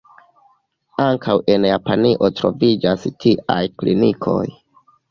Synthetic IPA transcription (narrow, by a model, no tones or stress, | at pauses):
aŋkʰawe̞njapaniʔo̞tɾo̞̰vid͡ʒastiʔa̰jklḭnikʰo̞̰j